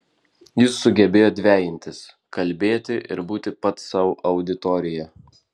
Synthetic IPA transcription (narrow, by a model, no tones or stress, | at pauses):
jɪsːʊɡʲɛbʲeːjoːd̪ʲʋʲæːjɪnʲt̪ʲɪs | kɐlʲbʲeːt̪ʲɪʔɪ̰ɾbuːt̪ʲɪpɐt̪sɑːʋʊʔɐʊd̪ʲɪt̪ɔːɾʲɪjɛ